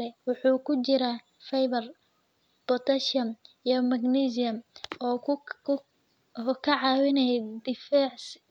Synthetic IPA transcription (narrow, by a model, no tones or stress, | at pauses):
ɛwʊħuːkʰʊt͡ʃɪɾa | fɛjβɐr | b̥ɔt̪ʰɐʃɐmijɔmɐɡnisɪjɐmɔː | ɔkʰɐʕɑːwɪnɛjɛd̪ɪfaʕs